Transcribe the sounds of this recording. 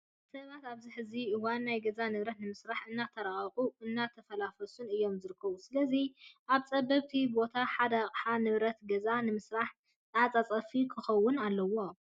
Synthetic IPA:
sɐβat̪aβzɨħɨziɨwanːajɡɐzanɨβɾɐt̪nɨmɨsɾaħɨnːat̪ʰɐɾaχʼxʼuʔɨnːat̪ʰɐfɐlafɐsunɨjːo̞mzɨɾɨkʰːɐβusɨlɐziʔaβt͡sʼɐbɐβt̪ʰibo̞t̪ʰaħad̪ɐχʼħanɨβɾɐt̪ɡɐzanɨmɨsɾaħ | t̪ʼat͡sʼat͡sʼɐfikʰɨxɐwːʊnalːɐwo̞

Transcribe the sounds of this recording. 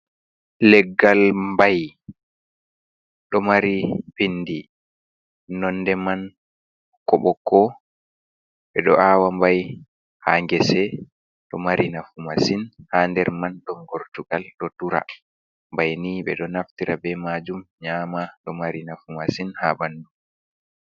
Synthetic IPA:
lɛɡːalmbaj | ɗɔmaɾibinːdi | nɔnːdɛman | kɔɓɔkːɔ | ɓɛɗɔʔawambaj | haŋɡɛsɛ | ɗɔmaɾʔinafumasinhandɛɾmanɗɔŋɡɔɾtuɡalɗɔduɾa̰ | mbajniɓɛ̰ɗɔnaftiɾabɛmad͡ʒumɲaːmaɗɔmaɾinafumasinhabandum

